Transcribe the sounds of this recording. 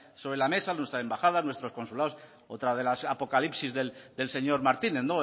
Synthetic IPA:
so̞βɾelame̞sanwe̞st̪ɾaembaxaðanwe̞st̪ɾo̞sko̞nsulaos | ot̪ɾað̞e̞lasapo̞kalipsizðeld̪else̞ɲo̞ɾmaɾt̪ineθno

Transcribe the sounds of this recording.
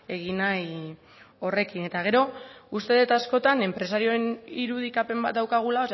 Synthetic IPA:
e̞ɣinaj | o̞re̞kine̞t̪aɣ̞e̞ɾo̞ust̪e̞ðet̪asko̞t̪ane̞mpɾe̞saɾio̞eniɾuð̞ikape̞mbat̪̚d̪awkaɣ̞ulaos

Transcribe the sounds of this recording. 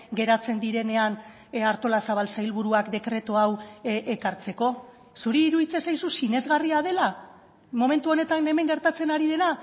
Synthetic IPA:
ɡe̞ɾat͡se̞nd̪iɾe̞ne̞an | aɾt̪o̞lasaβ̞alsajlβuɾuakd̪e̞kɾe̞t̪oawʔekaɾt͡se̞ko̞ | suɾiːɾuðit͡sesajsusine̞zɣariað̞e̞la | mo̞me̞nt̪uo̞ne̞t̪ane̞me̞ŋɡe̞ɾt̪at͡se̞naɾiðe̞na

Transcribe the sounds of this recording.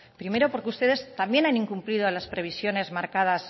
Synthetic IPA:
pɾime̞ɾo̞po̞ɾkeust̪e̞ð̞e̞st̪ambje̞nanĩŋkumpliðolaspɾe̞βisjo̞ne̞zmaɾkað̞as

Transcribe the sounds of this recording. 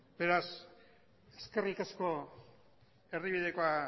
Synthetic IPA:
be̞ɾas | e̞ske̞rikasko̞ | e̞riβið̞e̞ko̞a

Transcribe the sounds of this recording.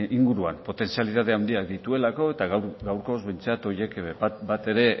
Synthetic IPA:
iŋɡuɾuampo̞t̪e̞nsialiðað̞eawnd̪iad̪it̪ue̞lako̞e̞t̪aɣɡawɾko̞zβe̞jnt͡sat̪o̞je̞kbat̪e̞ɾe̞

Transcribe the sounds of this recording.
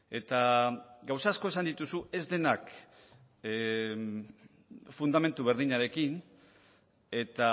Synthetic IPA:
e̞t̪aɡawsaːsko̞esand̪it̪usue̞zd̪e̞nak | fund̪ame̞nt̪uβe̞ɾðiɲaɾe̞kin | e̞t̪a

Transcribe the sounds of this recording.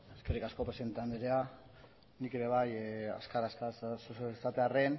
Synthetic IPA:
eskerikasko̞pɾese̞nt̪and̪eiɾea | nike̞ɾe̞β̞aja̰skaɾaskasssat̪eare̞n

